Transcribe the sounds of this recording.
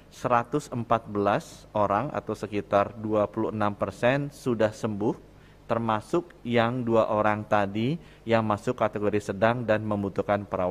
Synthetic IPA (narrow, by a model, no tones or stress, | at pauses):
səɾat̪ʊsəmpat̪̚bəlasoɾaŋa̰t̪awsəkit̪arduapuluhənampərsɛnsudahsəmbʊh | t̪ərmasʊkjaŋduaʔoɾaŋt̪adi | jaŋmasʊkːat̪eɡoɾisədaŋdanməmbut̪uhkanpəɾawa